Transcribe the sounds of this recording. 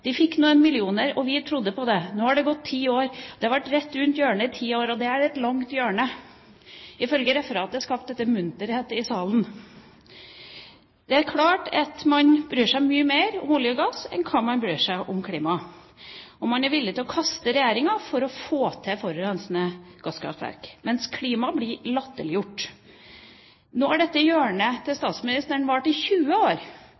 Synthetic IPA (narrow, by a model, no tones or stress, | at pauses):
d̪̥ɪfɪkːnuːənmɪlɪuːnəɾɔʋɪt̪ʰɾʊd̪ːəpʰɔd̪ɛnoːhɑɖɛɡɔt̪ʰːiːoːɾd̪̥ɛhɑɾʋæʈɾɛt̪ːɾʉnt̪jøːɳəɪt̪ʰiːoːɾɔd̪ɛæɖɛt̪lɑŋt̪jøːɳə | ɪfœlɡəɾɛfəɾɑːt̪d̪ɛɑskɑːp̪̚d̪ɛt̪ːəmʉnt̪əɾheːt̪ɪsɑːlən | d̪̥ɛæɾkʰlɑːʈɑt̪mɑnbɾyːʂæɪmyːəmeːɾɔ̰mɔljəɡɑsɛ̰nkʰɑnmɑnbɾyːʂæɪʔɔmkʰliːmɑ | ɔmːɑnæɾʋɪlːɪt̪ɪlɔkʰɑst̪əɾɛjæːɾɪŋɑfɔɾɔfoːt̪ʰɛfɔɾəɾɛnsnəɡ̥ɑskʰɾɑ̰ft̪ʋæ̰ɾkmɛnskʰliːmɑblɪlɑt̪ːəlɪjʊʈː | noːæɖɛt̪ːəjøːəɳət̪ʰɪlst̪ɑːt̪smɪnɪst̪əɳʋɑʈːɪçʉːəoːɾ